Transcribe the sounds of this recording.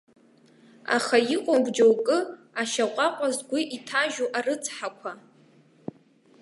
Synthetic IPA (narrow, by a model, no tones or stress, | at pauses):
a̰χajiqʷʼabʷd͡ʒowkʼɨaʃaqʷʼaqʷʼazɡʷiʔitʰaʒuʔarɨt͡sʰʼħakʷʰa